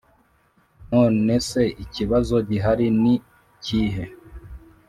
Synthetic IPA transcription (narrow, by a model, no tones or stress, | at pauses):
no̞ːne̞se̞iciβazo̞ɟiɦaɾini | ciːɦe̞